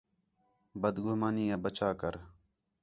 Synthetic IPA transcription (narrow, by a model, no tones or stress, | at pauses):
bəd̪ɡʊɦmaːniːãːbət͡ʃaːkəɾ